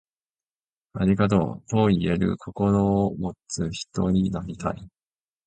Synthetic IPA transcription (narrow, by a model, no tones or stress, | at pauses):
aɾʲiɡat̪̬o̞̰ːt̪o̞ie̞ɾɯ̟̰kʰo̞ko̞ɾo̞mo̞t͡sɨçi̥t̪o̞ɲ̟inaɾʲit̪a̰i